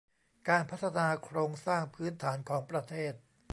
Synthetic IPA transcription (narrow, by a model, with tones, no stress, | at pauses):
kaː˧npʰa˦˥t̪ʰːa˧naː˧kʰɾoː˧ŋsaː˥˩ŋpʰɯː˦˥nt̪ʰaː˩˦nkʰɔː˩˦ŋpɾa˧t̪ʰeː˥˩t̪̚